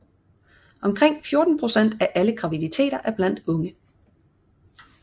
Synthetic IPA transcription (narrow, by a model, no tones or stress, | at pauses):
ʔɒ̽mkʰʁeŋ̰fjo̝ɐd̥n̩pʰʁo̝sen̰d̥æʔæləɡ̥ʁɑ̈ʋidit͡sʰe̝̰ːɾɐʔæɐb̥læn̰d̥ɔ̽ŋə